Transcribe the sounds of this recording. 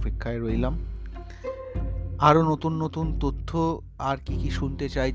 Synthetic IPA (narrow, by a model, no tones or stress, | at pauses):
pekʰːaeɾojlam | aɾonot̪unːot̪unt̪ot̪ʰːo | aɾkikiʃunt̪et͡ɕaj